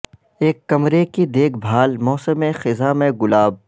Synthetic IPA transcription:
eːkːɐmɾekid̪eːkʰbʱaːlmɔːsəmẽxɪzamẽɡʊlaːb̚

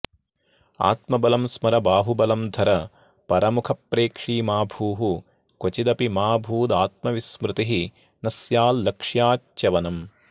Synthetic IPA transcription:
a̰ːt̪mɐbɐlɐmsmɐɾɐbaːɦubɐlɐmd̪ʱɐɾɐ | pɐɾɐmukʰɐpɾeːkʂiːmaːbʱuːɦu | kot͡ʃid̪ɐpimaːbʱuːd̪aːt̪̚mɐʋismɾɪt̪iɦi | nɐsjaːlːɐkʂjaːt͡ʃt͡ʃɐʋɐnɐm

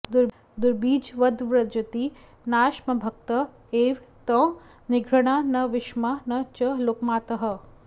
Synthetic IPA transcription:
d̪uɾ | d̪ʊɾbiːd͡ʒʋɐd̪ʋɾɐd͡ʒɐt̪i | naːʃmɐbʱɐk̚t̪ɐ | eːʋt̪ɐ̃ | nɪɡʱɾɐɽ̃anɐʋɪʃmanɐt͡ʃɐloːkmaːt̪ɐɦɐ̆

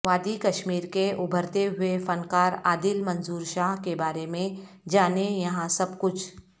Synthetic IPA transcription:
ʋaːd̪ikɐʃmiːɾkeʔʊbʱəɾt̪eɦʊefɐnkaːɾaːd̪ɪlmɐ̃nzuːɾʃaːɦkebaːɾemẽ | d͡ʒaːnejɐɦãsɐbkʊt͡ʃʰ

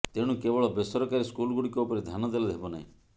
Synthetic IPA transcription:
t̪eɽ̃ũkebɔɭɔbesɔɾɔkaɾiskulɡuɽikɔupɔɾed̪ʱjanɔd̪elɔd̪ʱɦebɔna̰ɦḭ̃

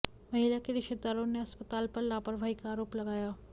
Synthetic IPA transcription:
mɐɦiljakeɾɪʃed̪aɾõneɐspət̪aːlpəɾlaːpəɾbʱaːikaːɾoːplɐɡaːjaː

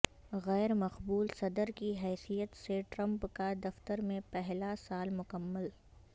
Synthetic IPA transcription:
ɣɛːɾmɐqbuːlsɐd̪əɾkiɦɛːsijət̪seʈɾɐ̃mpkad̪ɐft̪əɾmẽpɛɦlasaːlmʊkəmːəl

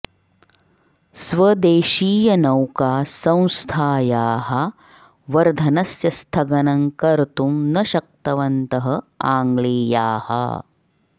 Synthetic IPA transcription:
sʋɐd̪eːʃiːjɐnɐwkaːsɐ̃w̃st̪ʰaːjaːɦɐ | ʋɐɾd̪ʱɐnɐsjɐst̪ʰɐɡɐnɐŋkɐɾt̪umnɐʃɐk̚t̪ɐʋɐnt̪ɐɦɐaːŋɡɭeːjaːhɐ̰

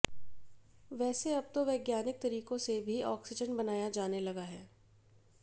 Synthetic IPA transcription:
ʋɛːseɐb̚t̪oʋeːɡjaːnɪk̚t̪ɐɾiːkõsebʱiɔ̰ːksɪd͡ʒənbɐnaːjad͡ʒaːnelɐɡaɦɛː

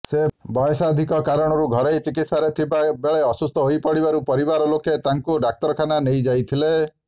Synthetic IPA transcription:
sebɔjɔsad̪ʱikɔkaɾɔɽ̃ɔɾuɡʱɔɾejt͡ʃikit̪saɾet̪ʰibabeɭeɔsust̪ʰɔɦojpɔɽibaɾupɔɾibaɾɔloket̪aŋkuɖak̚t̪ɔɾkʰananejd͡ʒajt̪ʰile

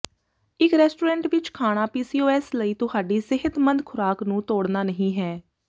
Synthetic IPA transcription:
ɪkɾɛːsʈoːɾɛ̃ːɳʈʋɪt͡ʃkʰaːɽ̃aːpiːsiːoːɛːsləiːt̪ʊɦaːɖiːsɪɦət̪mənd̪kʰʊɾaːknũːt̪oːɽnaːnəɦĩːɦɛː

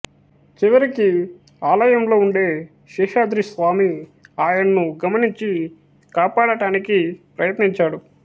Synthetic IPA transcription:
t͡ʃiʋɐɾiki | aːlɐjɐmlo̞ːuɳɖe̞ː | ʃɛːʃaːd̪ɾisʋaːmiaːjɐnɐnuɡɐmɐniɲt͡ʃi | kaːpaːɽɐʈaːnikipɾɐjɐt̪niɲt͡ʃaːɽu

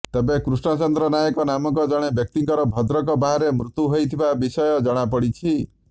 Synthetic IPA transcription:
t̪ebekɾusɳɔt͡ʃɔnd̪ɾɔnajɔkɔnamɔkɔd͡ʒɔɽ̃ebjɔk̚t̪iŋkɔɾɔbʱɔd̪ɾɔkɔbaɦaɾemɾut̪uɦojt̪ʰibabisɔjɔd͡ʒɔɽ̃apɔɽit͡ʃʰi

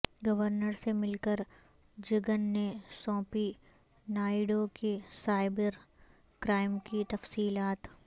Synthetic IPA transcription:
ɡɐʋəɾnəɾsemɪlkəɾ | d͡ʒɪɡənːesɔ̃ːpi | naːɪɖokisaːɪbəɾ | kɾaːɪmkit̪ɐfsiːlaːt̪

